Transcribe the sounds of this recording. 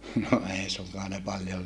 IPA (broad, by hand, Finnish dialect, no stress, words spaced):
no ei suŋkɑː ne pɑljol